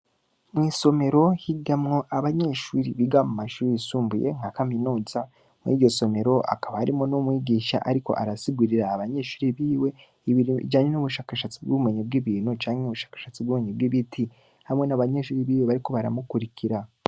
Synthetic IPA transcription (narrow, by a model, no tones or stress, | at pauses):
mwiːso̞me̞ɾo̞hiɡamŋo̞ʔaβaɲe̞ʃuːɾiβiɡamumaʃuːɾisuːmbuje̞̰ŋhakaminuːza | muḭːɟo̞so̞me̞ɾo̞ʔa̰kaβahaɾimonumwiːɡiːʃa̰ʔaɾiko̞̰ʔaɾasiɡuɾiɾaːβaɲe̞ʃu̥ːɾiβiːwe̞ | iβiɾid͡ʒaːɲenuβuʃaːkaʃat͡sib̚ɡuβume̞ɲib̚ɡiβiːnut͡ʃaːɲheuβuʃḁːkḁʃat͡sibɡuːmeɲibɡiβitʰi | hamŋe̞naβaɲe̞ʃuːɾiβiːwe̞βaɾiko̞βaɾa̰mukuɾikʰiɾa